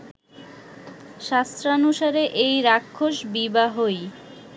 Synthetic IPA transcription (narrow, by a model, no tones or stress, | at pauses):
ʃast̪ɾanuʃaɾeʔejɾakʰːoʃbibaɦoj